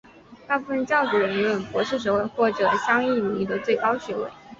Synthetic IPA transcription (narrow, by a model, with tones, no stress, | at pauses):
t̪a˥˧pu˥˩ə˧nt͡ɕjɑ˥˩ʊʈ͡ʂu˨˥ɻə˧˥ni˧˥wə˨˩npwɔ˧˥ʂɻ̩˥˩ʂ̬ɻ̩ə˧˥we˥˩ɪxwɔ˥˩ʈ͡ʂɤ˨˩ɕjɑ˥ŋi˥˩nu˨˩i˥˩d̪ə˨t͡swe˥˩ɪkɑ˥ʊɕɥɛ˧˥wḛ˥˩ɪ